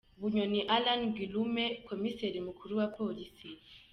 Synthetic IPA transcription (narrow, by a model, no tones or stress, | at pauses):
buɲɔniʔalanɡilumɛkʰɔmisɛɾimukʰuɾuwapʰolisi